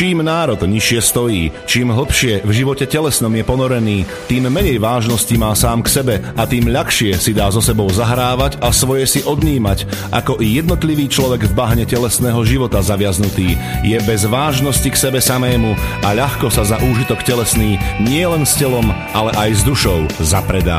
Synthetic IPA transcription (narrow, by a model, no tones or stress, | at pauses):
t͡ʃiːmnaːɾɔd̪ɲiʃɪɛst̪ɔjiːt͡ʃiːmɦl̩pʃɪɛvʒiʋɔcɛcɛlɛsnɔmjɛpɔnɔɾɛniː | t̪iːmːɛɲɛjʋaːʒnɔscimaːsaːmksɛbɛʔat̪iːmʎaxʃɪɛsid̪aːzɔsɛbɔʊzaɦɾaːʋaɟasʋɔjɛsiʔɔd̪ɲiːmacʔa̰kɔʔijɛd̪̚nɔt̪liʋiːt͡ʃlɔʋɛɡvbaɦɲɛcɛlɛsnɛːɦɔʒiʋɔt̪azaʋɪaznut̪iːjɛbɛzʋaːʒnɔsciksɛbɛsamɛːmuaʎaxkɔsazaʔuːʒit̪ɔkcɛlɛsniːɲɪɛlɛnscɛlɔmʔalɛʔajzd̪uʃɔʊzapɾɛd̪a̰ː